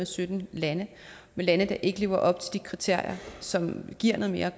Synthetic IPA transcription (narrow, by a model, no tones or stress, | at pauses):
esød̥n̩lænə | melænəd̥ɑ̈ʔe̝ɡ̥əle̝ʊɐʔɒ̽b̥̚t͡sʰe̝ld̥ikʰʁit͡sʰe̝ɐ̰jɐsɒ̽mɡ̥iɐ̰no̽ðˠme̝ːɐ